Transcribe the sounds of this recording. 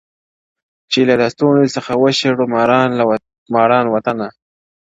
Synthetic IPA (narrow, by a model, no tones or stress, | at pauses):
t͡ʃelad̪ast̪onosəxawəʃeɽomɾɑn | mɑɽɑnwat̪ana